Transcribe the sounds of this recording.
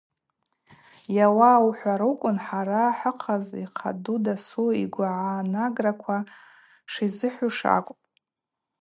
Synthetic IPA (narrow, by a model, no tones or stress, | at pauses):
jawawħʷaɾɨkʷʼʊnħaɾaħəqʰaziqʰa̰dudasuiɡʷaʕanaɡrakʷʰa | ʂizɨħʷuʂa̰kʷʼpʼ